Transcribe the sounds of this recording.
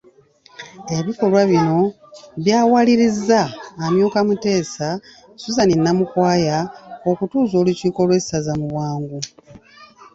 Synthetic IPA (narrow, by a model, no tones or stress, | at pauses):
e̞βiko̞lwaβino̞ | βjaːwaliɾizːaːmjoːkamute̞ːsa | suzaninːamukwaːjao̞kutuːzo̞ːluciːko̞lwe̞sazamuβwaːŋɡu